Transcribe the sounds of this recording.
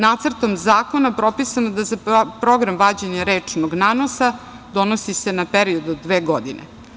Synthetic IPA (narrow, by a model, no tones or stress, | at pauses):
naːt̪sərt̪o̞mzaːko̞napɾo̞pisanod̪azapɾo̞ɡɾamʋaːd͡ʑeɲaɾeːt͡ʂnoɡnaːno̞sa | d̪o̞nosisenapeɾiod̪od̪ʋeːɡod̪inḛ